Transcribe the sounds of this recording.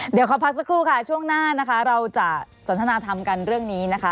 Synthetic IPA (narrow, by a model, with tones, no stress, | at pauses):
d̪i˨˩˦wkʰa˨˩˦pʰa˦˥k̚sa˧˦kʰɾuː˥˩kʰa˥˩t͡ɕʰu˥˩əŋnaː˥˩na˦˥kʰa˦˥ɾa˧wt͡ɕa˨˩so˨˩˦nt̪ʰnaː˧t̪ʰa˧mka˧nɾɯ˥˩əŋniː˦˥na˦˥kʰa˦˥